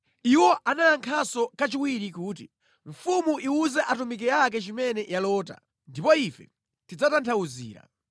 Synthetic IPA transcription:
iwɔʔanaaŋkʰasɔkat͡ʃiwiɾikuːt̬i | ɱ̩fumuʔiuzɛʔatumik̬ɛak̬ɛt͡ʃimɛnɛʔjalɔːta̰ | ndipɔifɛ̰ | tid͡zatantʰauzḭːɾa̰

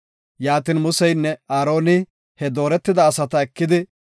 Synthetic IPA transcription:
jaːt̪iːnmʊsɛjnːɛaːɾo̞ːnɪ | hɛd̪o̞ːɾɛt̪ːɪd̪ɐːsɐt̪ɐɛkːɪd̪ɪ

